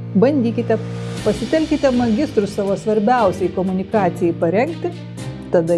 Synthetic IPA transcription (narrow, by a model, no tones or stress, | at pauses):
bɐnʲd̪ʲiːkʲɪt̪ʲɛpɐsʲɪt̪ʲɛlʲkʲɪt̪ʲɛmɐɡʲɪst̪ɾʊssɑːʋoːsʋɐɾʲbʲɛʊsʲɛɪkoːmʊnʲɪkɑːt̪sʲɪjɛɪpɐɾʲɛŋkt̪ʲɪ | t̪ɐd̪ɐ